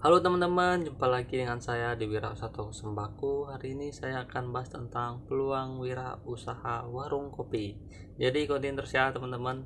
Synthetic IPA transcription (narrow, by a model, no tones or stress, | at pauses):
halot̪əmənt̪əmənd͡ʒəmpalaɡidəŋansajadiwiɾausat̪oksəmbakuɦaɾiːnisajaːkanbaɦast̪ənt̪aŋpəluaŋwiɾa̰usahawaɾʊŋkopi | d͡ʒadikont̪int̪ərsiat̪əmənt̪əmən